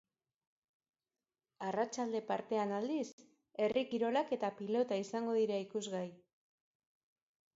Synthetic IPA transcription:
arat͡ʃald̪e̞paɾt̪e̞anald̪is | e̞rikiɾo̞lake̞t̪apilo̞t̪aisaŋɡo̞ðiɾaikuzɣaj

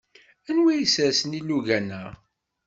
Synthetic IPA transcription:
ænwijəsæsənilːuʝænæ

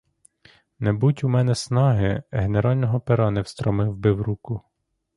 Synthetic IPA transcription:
nɛbutʲumɛnɛsnɑɦɪɦeneɾɑlʲnɔɦɔpeɾɑnɛwst̪ɾɔmɪwbɪwɾukʊ

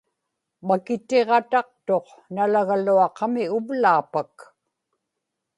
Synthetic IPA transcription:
makɪt̪e̞ʁɑt̪ɑq̚t̪oq | nalaɣaluɑqɑmɪʊvlaːpak

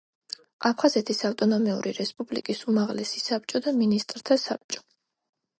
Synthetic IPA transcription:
apʰχazɛt̪ʰisaft̪ʼɔnɔmɛṵɾḭɾɛspʼublḭkʼisumaʁlɛsisap̚t͡ʃʼɔd̪aminist̪ʼɾt̪ʰasap̚t͡ʃʼɔ̥

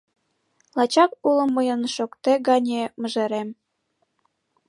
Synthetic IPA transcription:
lɑt͡ɕɑkulɤ̆mːəjə̆nʃokt̪eɡɑnʲemə̆ʒeɾem

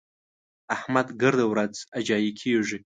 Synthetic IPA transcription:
ahmad̪ɡəɾd̪awɾad͡zad͡ʒɑjikʰeʐi

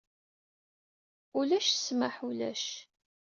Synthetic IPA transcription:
ʊlæʃsməħulæ̰ʃ

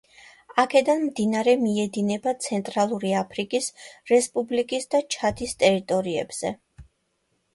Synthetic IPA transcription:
akʰɛd̪anmd̪inaɾɛmiɛd̪inɛbat̪sʰɛnt̪ʼɾalˠuɾiapʰɾikʼisɾɛspʼublikʼisd̪at͡ʃʰat̪ʰist̪ʼɛɾit̪ʼɔɾiɛ̰bz̥ɛ

